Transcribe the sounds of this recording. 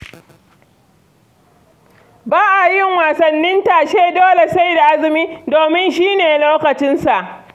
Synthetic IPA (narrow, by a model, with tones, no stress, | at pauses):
baː˦ʔa˨jɪ˦˨ŋwaː˨sɐ˨nːɪ˦ntaː˨ʃeː˦doː˦le˨sa˦˨jda˨ʔa˦zɪ˨miː˦doː˨mɪ˦nʃiː˦neː˨loː˦kɐ˨t͡ʃɪ˦nsa˨ʔ